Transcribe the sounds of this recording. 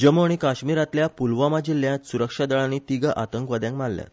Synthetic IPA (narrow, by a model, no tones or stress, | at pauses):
d͡ʑəmoɽ̃ikaɕmiɾat̪ljapulʋamad͡ʑilːjãt̪suɾəkʂad̪əɭanit̪iɡəʔat̪əŋkʋəd̪jãŋkmalːja̰t̪